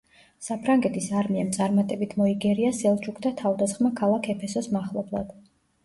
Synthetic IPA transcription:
sapʰɾaŋɡɛt̪ʰisaɾmiamt̪sʼaɾmat̪ʼɛbit̪ʰmɔiɡɛɾiasɛlˠt͡ʃʰukʰd̪at̪ʰavd̪asχmakʰalˠakʰɛpʰɛsɔsmaχlˠɔblˠa̰d̪̥

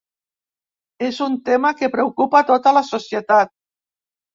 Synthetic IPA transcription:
ezunt̪emakepɾewkupat̪ot̪əlasosjət̪at̪̚

